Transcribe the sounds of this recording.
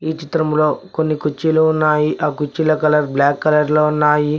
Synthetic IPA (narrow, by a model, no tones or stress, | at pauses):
iːt͡ʃit̪ɾɐmlo̞ːkonːikut͡ʃːiluːunːaːjiʔaːkut͡ʃːilɐkɐlɐɾblaːkːɐlɐɾloːunːaːji